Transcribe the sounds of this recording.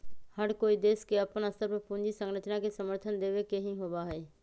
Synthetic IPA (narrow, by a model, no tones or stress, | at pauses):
həɾkoːid̪eːskeɐpənəst̪ʰəpɾəpʊ̃nd͡ʒisə̃ŋɡɾət̪ʰnakesəməɾt̪ʰənd̪eːʋekeɦĩɦoːʋaɦeː